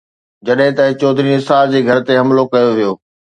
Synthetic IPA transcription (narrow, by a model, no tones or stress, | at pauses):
d͡ʑɐɗɦɪ̃t̪ɐɪt͡ɕɔːd̪ʱɾinɪsaːld͡ʑeːɡʱɐɾt̪eɦɐmlokɐjoʋijoː